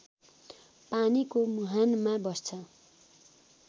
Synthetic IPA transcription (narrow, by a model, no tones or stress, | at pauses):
panikomuɦanmabʌst͡sʰʌ